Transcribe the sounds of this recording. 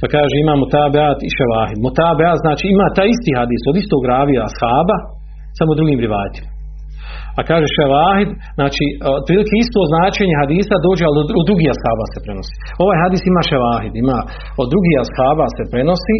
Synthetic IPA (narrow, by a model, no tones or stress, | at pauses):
pakaːʒeimaːmot̪abeat̪iʃaʋaːɦid̪mot̪abeaːt̪znaːt͡ʃiːimaːt̪aːjist̪iːɦad̪iːsod̪ist̪oɡɾaːʋiaashaːba | samod̪ɾuɡiːmɾiʋaːt̪i̥ma | akaːʒeʃaʋaːhid̪ | znaːt͡ʃiːopɾiːlikeist̪oːznaːt͡ʃeɲeɦad̪iːsad̪o̞ːd͡ʒealod̪ɾuɡiːashaːbase̞pɾe̞no̞si̥ː | o̞ʋaːjɦad̪iːsimaːʃaʋaːɦid̪imaː | od̪ːɾuɡiːashaːbase̞pɾe̞no̞siː